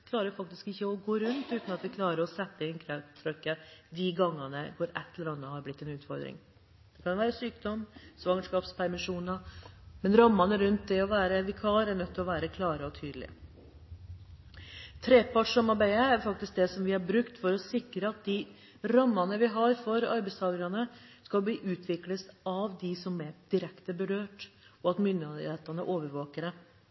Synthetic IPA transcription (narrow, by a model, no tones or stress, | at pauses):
kʰlɑːɾəɾfɑk̚t̪ɪskɪçːəɔɡoːɾʉnt̪ʉːt̪nɑt̪ʋɪkʰlɑːɾəɾɔsɛt̪ːəɪnkʰɾɛt̪ʰːɾœkːəd̪ɪɡɑŋːənəɡoːɾɛ̰t̪ːɛləɾɑnːəhɑɾblɪt̪ːɛnʉːt̪fɔɾd̪ɾɪ̰ŋ | d̪̥ɛkɑnʋæːɾəsyːkd̪ɔmːsʋɑŋəʂkɑːpspʰæɾmɪʂuːnəmɛnɾɑmːɑnəɾʉnt̪̚d̪ɛɔʋæːɾəʋɪkʰɑːlɾæɾɳœt̪ʰːlɔʋæːɾəkʰlɑːɾəɔt̪ʰyːd̪əlɪ̰ə̰ | t̪ʰɾeːpʰɑːʈʂɔmɑbæəæɾfɑk̚t̪ɪsk̚d̪ɛsɔmʋɪhɑɾbɾʉkt̪fɔɾɔsɪkɾəɑt̪̚d̪ɪ | ɾɑmːɑnəʋɪɦɑɾfɔɾɑ̰ɾbæɪst̪ʰɑːɡəɾɑnəskɑlbliːʔʉːt̪ʰʋɪkləsɑʋd̪ɪsɔmɛd̪̥ɪɾɛkt̪əbəɾøːʈɔɑt̪mʏnd̪ɪd̪ɪheːt̪ɑnə̰ʔoːʋəɾʋoːkəɾə